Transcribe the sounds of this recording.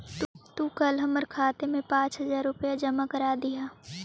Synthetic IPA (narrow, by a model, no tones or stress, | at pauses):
t̪t̪uːkɐlɦɐməɾkʰaːt̪emẽpãːt͡ʃɦɐzaːɾːʊpəjad͡ʒɐmakəɾaːd̪ɪjaː